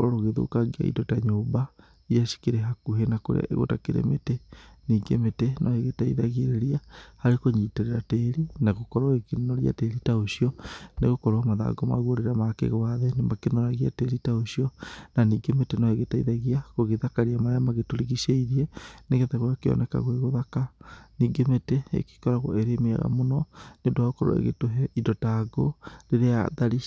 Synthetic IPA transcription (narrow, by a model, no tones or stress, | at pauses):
ɾoɣeðo̰kaɡia̰ḭdotaɲoːmba | iaʃi̥keɾeɦakuɦenako̰ɾḛa̰eɣo̰takeɾḛmeteniːɡemetenʔɔeɣetaiðaɣeɾeɾiahaɾekoɲiːteɾeɾateːɾinaɣokɔɾwaekennoɾia̰teːɾitaoʃiɔneɣokɔɾwamaða̰ɡɔma̰ɣuoɾeɾamakḛɣɔaðenemakenoɾaɣia̰teɾitaoɕiɔnaniːɡemetenɔeɣetaiðaɣiakoɣeðakaɾiamaɾeamaɣetoɾiɣiʃeiɾiɛneɣeðɛɣwakeɔ̰nʔɛka̰ɣweɣoðakaniːɡemeteḛki̥kɔɾaɣwo̰eɾemea̰ɣa̰monɔnedwaɣokɔɾo̰ḛɣḛtoɦɛidɔtaɡoɾeɾea̰ðaɾi